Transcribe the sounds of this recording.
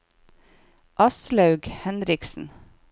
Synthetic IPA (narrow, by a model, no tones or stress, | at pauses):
ʔɑslɑʉɡhɛnɾɪksn̩